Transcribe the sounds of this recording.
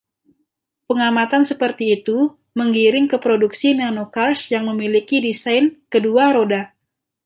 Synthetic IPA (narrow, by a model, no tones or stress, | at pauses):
pəŋamat̪ansəpərt̪iːt̪u | məŋɡiɾɪŋkəpɾoduksinanokarsjaŋməmilikidisajnkəduaɾoda